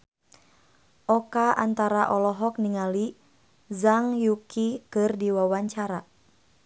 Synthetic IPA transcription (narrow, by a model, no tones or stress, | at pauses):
ʔɔkaʔant̪aɾaʔɔlɔɦɔk̚niŋali | zaŋjukikɨrdiwawaɲt͡ʃaɾa